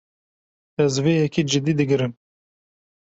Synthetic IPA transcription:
ɛzveːjɛkid͡ʒɪd̪iːd̪ɨɡɨɾɨm

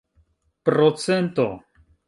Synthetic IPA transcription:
pɾot͡sent̪o̰

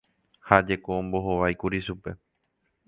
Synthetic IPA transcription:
had͡ʒe̞koõmbo̞ɦoʋajkuɾiʃupe̞̰

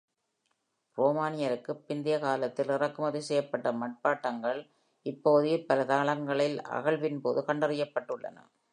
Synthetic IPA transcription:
roːmaːnɪjɐɾɯkːɯpːɪnd̪ɪjɐkaːlɐt̪ːɪlɪrɐkːɯmɐðisɛjɐpːɐʈːɐmɐʈ̚paːʈːɐŋɡɐɭ | ɪpːoːðɯjɐpːɐlɐt̪ɐɣɐɭɐŋɡɐɭɪlɐ̰ɣɐɭʋɪnpoːðɯkɐɳɖɐrɪjɐpːɐʈːɯɭːɐ̰nɐ̰

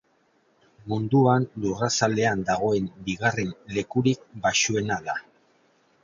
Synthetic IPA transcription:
mund̪uanlurasald̪e̞and̪aɣ̞o̞e̞mbiɣare̞mle̞kuɾik̚baʃue̞naða

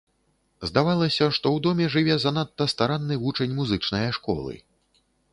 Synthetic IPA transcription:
zd̪avalˠɐsʲɐʂt̪ɔwd̪ɔmʲɛʐɨvʲɛzanat̪ːɐst̪aɾanːɨvut͡ʂɐnʲmuzɨt͡ʂnɐjɐʂkɔ̰lˠɨ̰

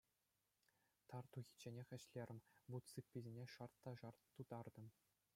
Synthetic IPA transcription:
t̪ɑrt̪uɣʲi̥t͡ɕenʲexʲɘ̆ɕlʲerʲɘ̆mʲʋut̪sɯpʲːizʲinʲeʂɑrt̪ːɑʐɑrt̪ːud̪ɑrd̪ɤ̆m

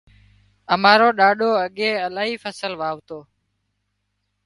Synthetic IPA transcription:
əmaːɾoːɗaːɗoːəɠeːəlaːɦiːfʰəsəlʋaːʋt̪oː

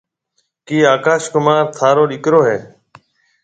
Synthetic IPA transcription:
kiːaːkaːʃkʊmaːɾt̪ʰaːɾoːɗɪkɾoːɦeː

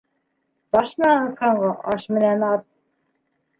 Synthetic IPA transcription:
bɑʃm̆nænɤθɑɴɢɑʔɑʃmɘ̆nænɑt̪̚

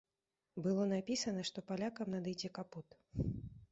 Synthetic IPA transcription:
bɨlˠɔnapʲisɐnɐʂt̪ɔpalʲakɐmnɐd̪ɨjd͡zʲɛkaput̪

